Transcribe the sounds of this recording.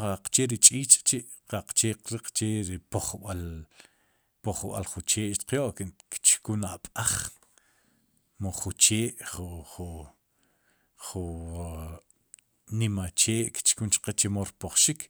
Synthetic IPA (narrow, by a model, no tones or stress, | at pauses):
qaqt͡ʃeɾit͡ʃʼiːt͡ʃʼt͡ʃiʔ | qaqt͡ʃeːqɾiqt͡ʃeɾipoχɓal | poχɓa̰lχut͡ʃeːʔʃt̪qjoʔkkt͡ʃkunaɓʼaχ | moχut͡ʃeːʔχuχu | χu | nimat͡ʃeːʔki̥t͡ʃkunt͡ʃqet͡ʃemoɾpoχʃikʰ